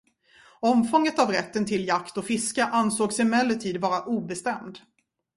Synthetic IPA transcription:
ɔmfɔŋːət̪avɾɛ̰t̪ːənt̪ʰɪljakt̪ɔfɪskaʔansoːɡsɪmɛlːət̪ʰiːd̪vɑːɾaʔuːbɛst̪ɛmd̪

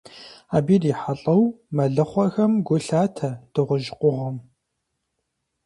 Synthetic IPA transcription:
aːbiːdiːħaɬʼɐw | mɐɮɨχʷɔxɐmɡʷʊɬaːtʰɐd̥ɨʁʷʊʒɪqʷʼʊʁɐm

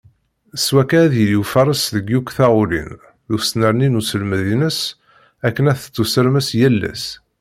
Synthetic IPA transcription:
əswækæðilifɑɾˤəsðəɡːukʷθaʁʊlḭn | ðusnəɾninusəlməðinəs | ækːənæθə̥t͡sːusəɾməsjælːæ̰s

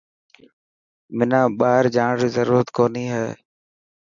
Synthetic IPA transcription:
mɪnãːɓaːɾd͡ʒaːɳɾiːzəɾuːɾət̪koːniːɦeː

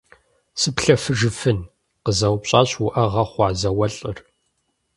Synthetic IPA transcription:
sɨpɬɐfɨʒɨfɨn | qəzɐwpɕʼaːɕwʊʔɐʁɐχʷɑːzɐwɐɬʼɨr

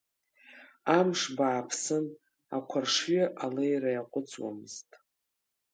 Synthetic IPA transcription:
amʂbaːpʰsɨn | a̰kʷʰarʂɥaʔalejrajaqʷʼʊt͡sʼwa̰mɨz̥tʼ

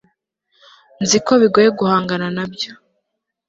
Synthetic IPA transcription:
nziko̞βiɡojeɡuhaːŋɡananabjo̥

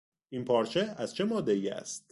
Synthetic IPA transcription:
ʔinpʰɒːɾt͡ʃʰeæz̥t͡ʃʰemɒːd̪ːeiːæ̰st̪̚

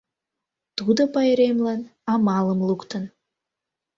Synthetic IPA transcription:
t̪ud̪əpɑjeɾemlɑnɑmɑlˠəmlˠukt̪ə̆n

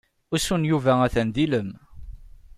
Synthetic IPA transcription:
ʊsunjuvææθænd̪iləm

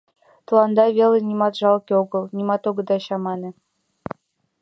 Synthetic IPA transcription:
t̪ɤ̆lˠɑnd̪ɑβʲelˠɘ̆nʲimɑt̪ʐɑlˠkʲeoɡɤ̆lˠnʲimɑt̪oɡɤ̆d̪ɑɕɑmɑnɤ̆

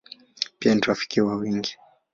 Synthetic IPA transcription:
pianiɾafi̥kiwawiŋɡi

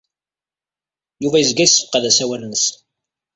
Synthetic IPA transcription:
juvæjəzɡæjisːfə̥qæðæsæwælnəs

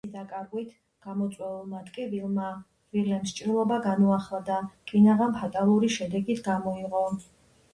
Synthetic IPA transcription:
d̪akʼaɾɡwit̪ʰ | ɡ̥amɔt̪sʼwɛvɛlˠmat̪ʼkʼɛvilˠma | vilɛmst͡ʃʼɾilˠɔbaɡanuaχlˠad̪akʼinaʁampʰat̪ʼalˠuɾiʃɛd̪ɛɡit̪ʰɡamɔiʁɔ

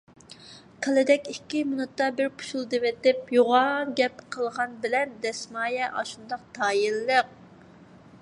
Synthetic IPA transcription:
qʰəlɪd̪ɛkʲikʲːimunut̪ːɑbɪɾpʰu̥ʃulˠd̪ɨvɛt̪ɪp̚joʁɑɡʲɛpqʰəlˠʁɑnbɪlɛnd̪ɛsmɑːjɛʔɑ̰ʃund̪ɑq̚t̪ʰɑːjilːəq̚

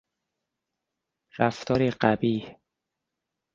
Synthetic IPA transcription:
ɾæft̪ʰɒːɾiːɢæbiːh

